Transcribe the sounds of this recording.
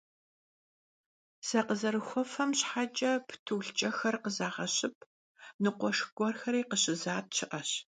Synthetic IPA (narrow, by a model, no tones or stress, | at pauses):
sɐqəzɐɾɨxʷɔfɐmɕħat͡ʃʼɐpʰtʰuːɬt͡ʃʼɐxɐrqəzaːʁɐɕɪp̚ʰ | nɨqʷɔʂɡʷɔrxɐɾiːqəɕɪzaːt̚ɕʰɪʔɐɕ